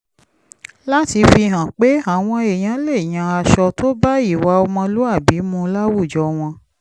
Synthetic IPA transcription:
la˦ti˧fi˧ɦã˨k͡pe˦a˨w̃ɔ̃˧e˨j̃ã˨˦le˦˨j̃ã˨a˧ʃɔ˧to˦ba˦i˦˨wa˧ɔ˧mɔ̃˧lu˦a˦˨bi˨˦mũ˧la˦wu˦˨d͡ʒɔ˨˧˦w̃ɔ̃˧

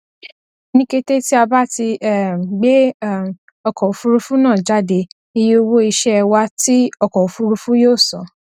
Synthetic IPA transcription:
nĩ˦ke˦˧te˦ti˦a˧ba˦ti˧ɛ˦˨ɡ͡be˦˨ | ɔ˧kɔ˨o˨fu˦ɾu˧fu˦nãː˦˨d͡ʒa˦de˧ | i˧je˦o˧wo˦i˧ʃɛ˦ɛ˧wa˦ti˦ɔ˦˧kɔ˨u˨fu˦ɾu˧fũ˦joː˦˨sɔ̃˨˦

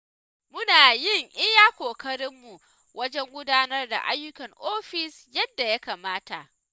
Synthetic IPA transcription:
mʊ˦naː˨jɪ˦˨ŋʔɪ˦jaː˦kʷoː˨kɐ˦ɽɪ˦mːu˨ | wʔɐ˦d͡ʒɛ˦ŋɡʷʊ˦daː˦nɐ˦rda̰˨ʔa̰˦jːʊ˦kɐ˨ŋʔoː˦ɸɪ˨sjɐ˦dːa˨ja˦kaː˨maː˦ta̰˨ʔ

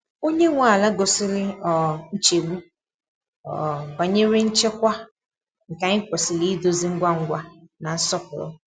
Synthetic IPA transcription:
o˦ɲe˦ŋʷa˨la˦ɡo˨sɪ˦lɪ˦ɔ˨n̩˦t͡ʃe˨ɡ͡bu˦ | ɔ̰˨ba˨ɲe˦ɾɪ˦n̩˦t͡ʃe˦kʷa˦ | ŋ̩˨ka˨ɲɪ˦ko˨sɪ˨li˦i˦do˦zi˦ŋ̩˦ɡʷa˦ŋ̩˦ɡʷa˦na˨n̩˦sɔ˦pʊ˨ɾʊ̰˦

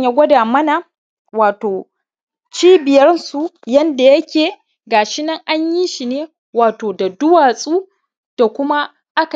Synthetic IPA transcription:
ɲja˦ɡʷɐ˦daː˨mɐ˦na˨ | waː˨toː˨ | t͡ʃiː˦bɪ˨jɐ˦rnsu˨jɐ˦nda˨jɐ˦kʲeː˨ | ɡaː˨ʃɪ˦nɐ˦ŋʔa˦ɲji˦ʃi˨neː˦ | waː˨toː˨da˨dʊ˦waː˨sʼuː˦ | d̥a˨kʷʊ˦ma˦ | ʔa˦k

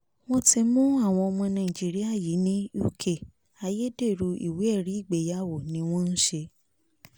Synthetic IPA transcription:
w̃ɔ̃˦ti˧mũ˦a˦˨w̃ɔ̃˧ɔ˧mɔ̃˧nã˧˨ĩ˨d͡ʒi˦ɾi˦a˦˨ji˨˦nĩ˦u˦˨kʰe˦˨ | a˧je˦de˦˨ɾu˧ḭ˨we˨˦ɛ˦˨ɾi˨˦i˦˨ɡ͡be˨˦ja˦˨wo˦˨nĩ˨˦w̃ɔ̃˦n̩˦ʃe˧

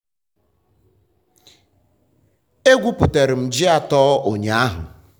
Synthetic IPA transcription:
e˦ɡʷu˦pʊ˨te˨ɾɪ˨m̩˨d͡ʒɪ˦a˨tɔː˦o˨ɲ˨a˦ɦʊ̰˨

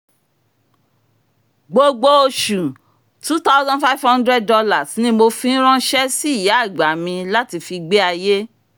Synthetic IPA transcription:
ɡ͡bo˧ɡ͡bo˦o˧ʃu˨ | tu˦ta˦wzã˦nfa˦vhɔ̃˦ndɾɛ˦˨d̚ɔ˧la˨snĩ˧˦mo˧fĩ˧˦n̩˦ɾ̃ã˦ʃɛ˦si˦˨ja˨˦˨ɡ͡ba˨˦mĩ˧la˦ti˧fi˧ɡ͡be˦a˧je˦

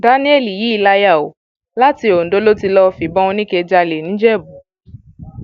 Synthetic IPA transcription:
da˨˦nĩ˦e˦˨li˨ji˨˦i˧˨la˧ja˦˨o̰˨ | la˦ti˧˦o˨n̩˨do˨˦lo˦ti˧lɔ˦˧fi˨bɔ̃˦ũ˧nĩ˦ke˧d͡ʒa˧le˨nĩ˨˦d͡ʒɛ˦˨bu˨

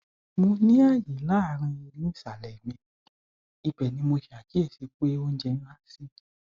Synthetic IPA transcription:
mo˧nĩ˦a˦˨jĩ˨˦la˦a˨˦ɾ̃ã˧i˧ɾĩ˨˦ĩ˦˨sa˨lɛ˨mĩ˧ | i˧bɛ˨nĩ˧mo˧ʃi˨a˨ki˨˦ɛ˦˨se˧k͡pe˦o˦n̩˦d͡ʒɛ˧ñ̩˦la˦si˦

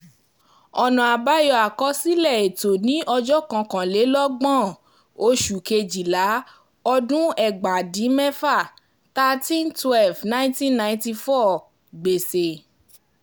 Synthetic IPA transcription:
ɔ˨nã˨a˨ba˦jɔ˧a˨kɔ˧si˦lɛ˦˨e˨to˨nĩ˨˦ʔɔ˧d͡ʒɔ˦kã˧kã˨le˨˦lɔ˦ɡ͡bɔ̃˦˨ | o˦ʃu˨ke˧d͡ʒi˨la˨˦ | ɔ˧dũ˦ɛ˦˨ɡ͡ba˨dĩ˨˦mɛ˦fa˦˨ | ta˧tĩ˦ntwɛ˦˨lvnã˦tĩ˦nã˧ĩ˦ti˧fɔ˦˨ | ɡ͡be˨se˨

